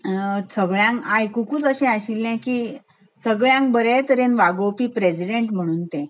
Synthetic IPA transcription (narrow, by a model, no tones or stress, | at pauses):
səɡɭjãŋkajkukuːt͡səɕɛ̃aɕilːɛ̃kiː | səɡɭjãŋk̚bəɾet̪əɾẽnʋaɡopiːpɾesiɖeɳʈm̤əɽ̃uːnt̪ẽ